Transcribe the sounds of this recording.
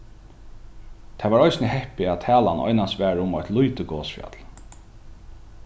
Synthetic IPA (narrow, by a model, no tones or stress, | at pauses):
t̪ʰaːʋaɹɔjsnəhɛhpɪat̪ʰæːla̰nʔɔ̰jnansʋæːɾʊmɔjt̪lujt̪ɪkɔːsfja̰t̪l